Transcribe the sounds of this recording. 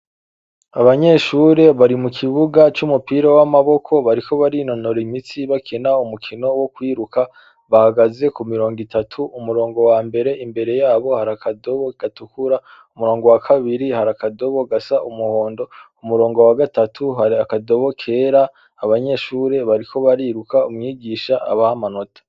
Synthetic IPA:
aβaɲe̞ʃuɾe̞βaɾimukʰiβuɡat͡ʃumupiɾowamaβo̞kʰo̞βaɾiko̞βaɾino̞no̞ɾimit͡siβakʰenaumukʰino̞wokwiːɾuka | βahaɡaze̞kumiɾo̞ːŋɡitatʰuʔumuɾo̞ːŋɡo̞wambe̞ɾe̞ʔimbe̞ɾe̞jaːβo̞haɾakado̞βoɡ̥atukuɾa | umuɾoːŋɡo̞wakʰaβiɾihaɾakado̞βo̞ɡasaʔumuho̞ːndo̞umuɾo̞ːŋɡo̞waɡatatʰuɦaɾiakado̞βokʰe̞ːɾaː | βaɲe̞ːʃuːɾe̞βaɾiko̞βaɾiːɾukaumŋiːɡiʃaʔa̰βahamanotʰḁ

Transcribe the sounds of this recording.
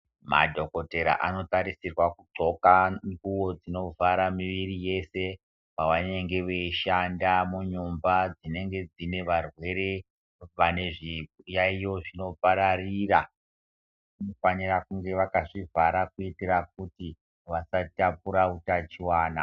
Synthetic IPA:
ma̰dʱo̞ko̞te̞ɾa̰ʔano̞taɾisirwakut͡ʂo̞kaŋɡuwo̞d͡zino̞vʱaɾamiʋirije̞se̞ | paʋane̞ŋɡe̞ʋeiʃandamuɲumbad͡zine̞ŋɡe̞d͡zine̞ʋarwe̞ɾe̞ | ʋane̞ʐijaijo̞ʐino̞paɾarira | unofanirakuŋɡe̞ʋakaʐivaɾakuiteɾak̚uti | ʋasatapuɾautat͡ʃiwaːna̰

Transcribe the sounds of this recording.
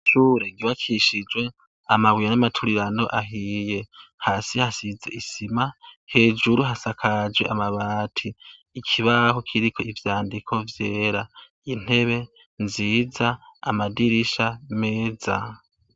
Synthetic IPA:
ʃuɾeɡiβakʰiʃid͡ʒwe̞ | amawijanamatʰuɾiɾano̞̰ʔaɦiːje̞haːsihasizḛʔisimahe̞ːd͡ʒuɾuɦasakʰad͡ʒwe̞ʔamaβaːtʰiː | kʰiβaho̞kʰiɾikʰo̞ivjaːndikʰo̞vjeːɾa | in̥he̞βe̞ | nziːzaːmadiɾiʃame̞ːza̰

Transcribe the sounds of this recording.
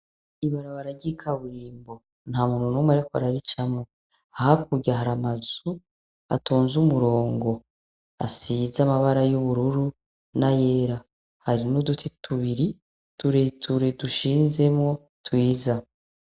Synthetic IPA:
iβaɾaβaɾaɟikʰaβuɾiːmbo̞ | n̥hamuːnunumweɾekoɾaɾit͡ʃamŋo | ahak̚uɟaɦaɾamazu | a̰toːnzumuɾo̞ːŋɡo̞ | a̰sizamaβaɾajuβuɾuɾu | naje̞ːɾa | haɾinudutʰetʰuβiɾi | tuɾetʰuɾe̞duʃiːnze̞mŋo̞ | twiːza

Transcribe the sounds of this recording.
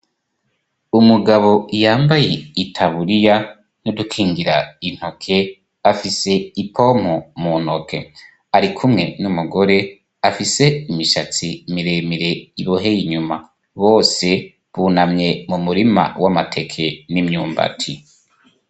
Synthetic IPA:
umuɡaβo̞ijaːmbaje̞itʰaβuɾija | nudukʰiːŋɡiɾain̥hokʰe̞ | afise̞ipʰo̞m̥omun̥okʰe̞̰ | aɾikʰumŋe̞numuɡo̞ɾe̞ | afise̞imiʃat͡simiɾe̞miɾe̞iβo̞ɦe̞jiɲuma | βo̞ːse̞ | βunamɲe̞mumuɾima̰wamatʰe̞kʰe̞nimɲuːmba̰tʰi

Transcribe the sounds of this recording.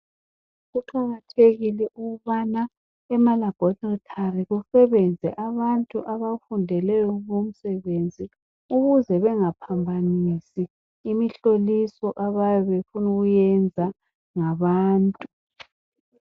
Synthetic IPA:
ɣuǃaɣatʰeɣilɛʔuɣuβana | ɛmalaɡ̥ʱɔtɔtʰariɣusɛβɛnd͡zʱɛʔaβantʼuʔaβafundʱɛlɛjɔŋom̩sɛβend͡zʱi | uɣuzɛβɛŋapʰambʱanisiː | miɬolisɔʔaβajɔβefunuɣujɛnd͡zʱa | ŋaβaːntʼu

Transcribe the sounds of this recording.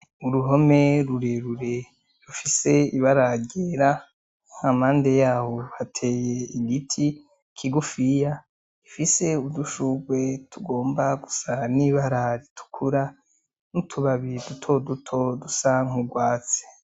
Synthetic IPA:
uɾuɦo̞me̞ɾuɾeɾuɾe̞ | ɾufise̞iβaɾaɟeɾa | ŋ̥amaːnde̞jaːhohatʰe̞ːjeiɡitʰi | kʰiɡufija | ifise̞uduʃuɡwe̞tʰuɡo̞ːmbaɡusaniβaɾaɾitʰu̥kʰuɾa | nutʰuβaβidutʰo̞dutʰo̞dusaŋuɡwaːt͡se̥

